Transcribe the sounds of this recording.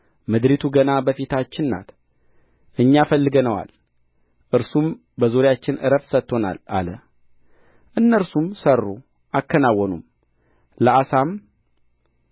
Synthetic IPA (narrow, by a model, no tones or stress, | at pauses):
mɨd̪ɾit̪ʰuɡənabəfit̪ʰat͡ʃːɪnːa̰t̪ | ʔɨɲːafəlːɨɡənəwa̰l | ʔɨɾsum | bəzoɾjat͡ʃːɪnʔɨ̰ɾəfsət̪ːo̞na̰la̰lə | ʔɨnːəɾsumsərːu | ʔakːənawːɔnṵm | ləasam